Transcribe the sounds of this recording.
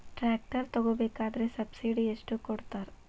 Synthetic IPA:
ʈɾaːk̚ʈɐɾt̪ɐɡoːbeːkaːd̪ɐɾesɐbsiɖieʂʈukɔɽt̪aːɾ

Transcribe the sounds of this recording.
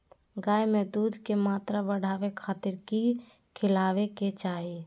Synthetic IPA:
ɡaːemẽd̪uːd̪ʱkemaːt̪ɾabəɽ̤ʱaːʋekʰaːt̪ɪɾki | kʰɪlaːʋeket͡ʃaːɦi

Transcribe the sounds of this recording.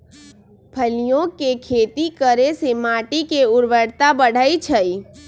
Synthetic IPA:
pʰəlijõkekʰeːt̪ikəɾesemaːʈikeʊɾʋəɽt̪abəɽ̤əit͡ʃʰəi

